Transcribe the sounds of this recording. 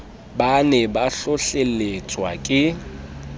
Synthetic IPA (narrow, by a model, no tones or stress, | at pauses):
banɛbaɬʊɬelet͡sʼwakʼɪ